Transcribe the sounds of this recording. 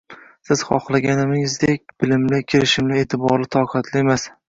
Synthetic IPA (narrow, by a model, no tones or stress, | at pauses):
sɪz̥χɒχlˠaɡʲanɪmɪɪzd̪ekʲb̥ɪlɪmlɪkʲʰɪɾɪʃɪmlɪe̞ːt̪ʰɪbɒɾlɪt̪ʰɒqʰɑt̪ʰlɪe̞mas